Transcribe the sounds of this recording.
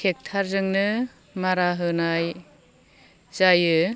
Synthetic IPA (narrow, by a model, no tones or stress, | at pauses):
kʰek̚tʰaɾzɯŋnɯ | maɾaɦɯnaj | zajɯ